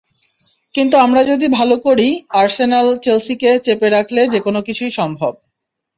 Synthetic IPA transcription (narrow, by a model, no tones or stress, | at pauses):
kint̪uamɾad͡ʑod̪ibʱalokoɾiaɾsenalt͡ɕelsiket͡ɕepeɾakʰled͡ʑekonokit͡ɕʰujʃɔmbʱob̚